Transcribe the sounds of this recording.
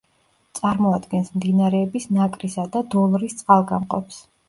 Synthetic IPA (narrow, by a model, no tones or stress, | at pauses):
t̪sʼaɾmɔad̪ɡɛnsmd̪inaɾɛːbisnakʼɾisad̪ad̪ɔlˠɾist̪sʼqʼalˠɡamqʼɔps